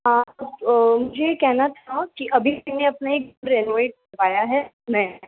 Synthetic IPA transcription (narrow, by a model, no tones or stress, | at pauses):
ɦãːbmʊd͡ʒʱekɛɦnat̪ʰakiʔɐbʱimɛɦneɐpnaek̚uɽɾeːnʋeːʈ̚kɐɾʋaːjaɦɛ | mɛ̃